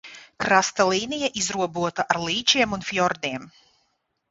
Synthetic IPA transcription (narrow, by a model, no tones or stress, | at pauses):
kɾast̪aliːnijaʔizɾuobuot̪aʔaɾliːt͡ʃijemunfjoɾd̪ijem